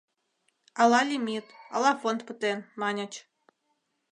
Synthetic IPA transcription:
ɑlˠɑlʲimʲit̪ɑlˠɑfont̪pɨt̪enmɑnʲə̆t͡ɕ

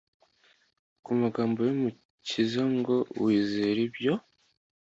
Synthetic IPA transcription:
kumaɡaːmbo̞jomu | cizaŋɡo̞wiːzeɾibjo̞

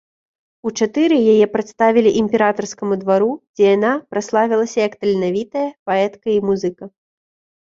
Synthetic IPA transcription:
ut͡ʂat̪ɨɾɨjajɛpɾɨt̪st̪avʲilʲiʔimʲpʲɛɾat̪ɐrskɐmud̪vaɾud͡zʲɛjanapɾaslˠavʲilˠɐsʲɐjɐkt̪ɐlʲnavʲit̪ɐjɐpaɛt̪kɐimuzɨkɐ

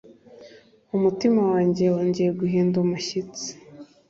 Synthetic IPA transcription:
umutimawaːɲɟewoːɲɟejeɡuɦiːndumuʃit͡si̥

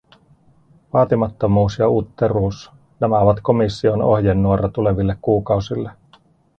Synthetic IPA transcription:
ʋɑːt̪imɑt̪ːo̞muːsjɑut̪ːeruːs | næmæoʋɑt̪ko̞misːio̞no̞hjenːuoɾɑt̪ule̞ʋilːekkuːkɑusilːe

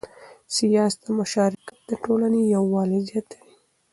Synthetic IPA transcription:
sijɑst̪əmʊʃɑɾɪkat̪̚d̪əʈolanejawːɑlizɑt̪ali

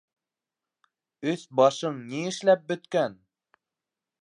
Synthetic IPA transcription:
ɵsbɑʃɤɴniɘ̆ʃlæp̚bɵ̆t̪kæn

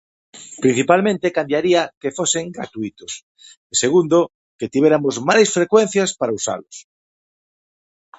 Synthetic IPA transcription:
pɾĩn̟θipalmẽnt̪ekamdjaɾiakefoseŋɡɾa̰t̪uit̪ʊs | eseɣund̪o | ket̪iβeɾamozmajsfɾekwen̟θjaspaɾausa̰lʊs

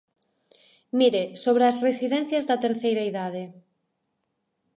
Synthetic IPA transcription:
miɾesoβɾeasresiðɛ̃n̟θjɐzðɐt̪eɾθejɾaiðaðe

